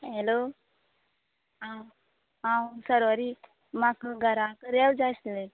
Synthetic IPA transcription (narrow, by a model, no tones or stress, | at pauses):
ɦelo | ɦã | ɦãsəɾʋaɾi | makəɡʱəɾãkəɾewd͡zasle